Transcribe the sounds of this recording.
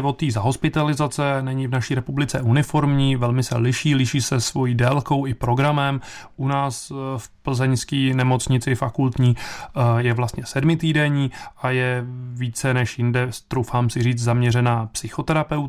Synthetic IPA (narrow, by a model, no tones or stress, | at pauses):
vot̪ːiːzaɦo̞spɪt̪alɪzat͡sɛnɛɲɪvnaʃiːɾɛpublɪt͡sɛunɪfo̞ɾmɲiːvɛlmɪsɛ̰lɪʃiːlɪʃiːsɛsvo̞jiːdɛlko̞wɪpɾo̞ɡɾamɛm | ʔunaːsfpl̩zɛɲskiːnɛmo̞t͡sɲɪt͡sɪfakult̪ɲiːjɛvlast̪ɲɛsɛdmɪt̪iːdɛɲiːajɛviːt͡sɛnɛʃjɪndɛst̪ɾowfaːmsɪriːt͡s̪zamɲɛrɛnaːpsɪxot̪ɛɾapɛwt̪